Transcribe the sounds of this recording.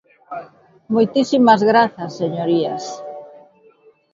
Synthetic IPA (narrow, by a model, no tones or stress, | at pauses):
mojt̪isimɐzɣɾaθɐsːeɲoɾiɐs